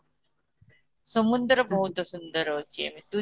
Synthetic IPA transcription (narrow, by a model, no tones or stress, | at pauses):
somund̪ɾʌbɔɦut̪osund̪ɔɾot͡ɕiḛmit̪u